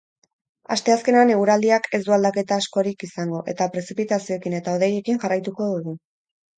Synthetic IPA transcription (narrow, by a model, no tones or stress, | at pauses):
a̰st̪e̞aske̞neane̞ɣuɾald̪iakʰe̞zd̪uald̪ake̞t̪aːsko̞ɾikisaŋɡo̞ʔe̞̰t̪apɾe̞sipit̪asio̞ekine̞t̪aoð̞e̞je̞kiŋʝarajt̪uko̞ðuɣ̞u